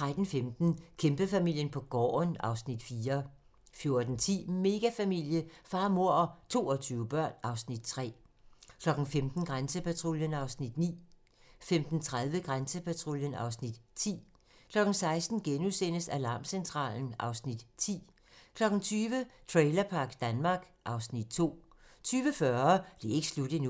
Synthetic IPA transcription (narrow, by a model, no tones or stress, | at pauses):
t͡sʰʁad̥n̩femd̥n̩kʰemb̥əfæmil̰jənpʰɒ̽ɡ̥ɒ̰ːnɑ̈ʊsnid̥fiːɐ | fjo̝ɐd̥n̩t͡sʰḭːme̝ɡ̥æfæmil̰jəfɑ̈ːmo̝ɐ̰ɒt͡sʰo̝̰ːɒt͡sʰyːʊəb̥ɶɐ̰nɑ̈ʊsnid̥t͡sʰʁɛ̰ːkʰlɒ̽ɡ̥n̩femd̥n̩ɡ̥ʁansəpʰæt͡sʰʁoljənɑ̈ʊsnid̥nḭː | femd̥n̩t͡sʰʁað̞ˠʋəɡ̥ʁansəpʰæt͡sʰʁoljənɑ̈ʊsnid̥t͡sʰḭː | kʰlɒ̽ɡ̥n̩sɑ̈ɪsd̥n̩ɡ̥enusen̰əsælɑ̈ːmsent͡sʰʁɑ̰̈ːln̩ʔɑ̈ʊsnid̥t͡sʰḭː | kʰlɒ̽ɡ̥n̩t͡sʰyːʋət͡sʰʁeɪlɐpʰɑ̈ːɡ̥d̥ænmɑ̈ːɡ̥ | ʔɑ̈ʊsnid̥̚t͡sʰo̝̰ː | t͡sʰyːʋəfɶɐd̥e̝e̝ɡ̥əslud̥̩nu